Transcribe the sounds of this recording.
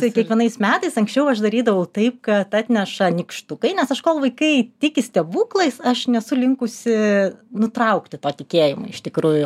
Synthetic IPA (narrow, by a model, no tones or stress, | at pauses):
t̪ɐɪkʲiɛkʋʲiɛnɐɪsmʲæːt̪ɐɪsɐŋksʲt͡ʃʲɛʊɐʃd̪ɐɾʲiːd̪ɐʋɐʊt̪ɐɪp̚kɐt̪ɑːt̪ʲnʲɛʃɐnʲɪkʃt̪ʊkɐɪnʲɛsɐʃkoːlˠʋɐɪkɐɪtʲɪkʲɪsʲt̪ʲɛbuːklˠɐɪsɐʃnʲɛsʊlʲɪŋkʊsʲɪnʊt̪ɾɐʊkt̪ʲɪt̪oːt̪ʲɪkʲeːjɪmʊ̰ɪɪʃt̪ʲɪkɾuːjʊ